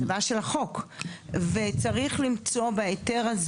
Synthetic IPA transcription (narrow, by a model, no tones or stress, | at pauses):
baʃelaχo̞k | vet͡saʁiχlimt͡so̞beete̞ʁaz